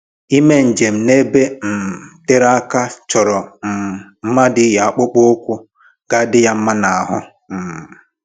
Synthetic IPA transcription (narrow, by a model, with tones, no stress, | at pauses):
i˦me˦n̩˨d͡ʒe˨m̩˨ne˦be˦m̩˨te˦ɾa˦ka˦t͡ʃɔ˨ɾɔ˨m̩˨m̩˦ma˦dɪ˦ja˨k͡po˦k͡po˦kʷu˦ | ɡ̥a˦dɪ˦ja˦m̩˦ma˦na˨ɦɔ˦ | m̩˨